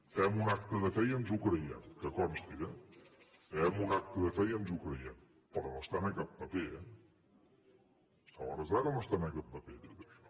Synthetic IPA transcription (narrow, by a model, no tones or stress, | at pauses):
ɛmunak̚t̪əðəfɛjənzukɾəjɛ̰mkəkɔmst̪iɣɛ | ɛmunak̚t̪əðəfɛjənzukɾəjɛm | pɾɔnost̪anəkap̚bəpeɛ | st̪aɔ̰ɾəzlakənost̪anəkap̚bəpeðið